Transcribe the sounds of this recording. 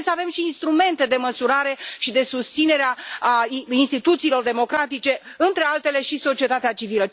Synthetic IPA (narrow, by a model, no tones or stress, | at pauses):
səave̞mʃiːnst̪ɾume̞nt̪e̞d̪e̞məsuɾaɾe̞ʃid̪e̞sust̪sine̞ɾea | inst̪it̪ut̪siːlo̞rd̪e̞mo̞kɾat̪it͡ʃe̞ɨnt̪ɾe̞alt̪e̞le̞ʃiso̞t͡ʃie̞t̪at̪eat͡ʃivilə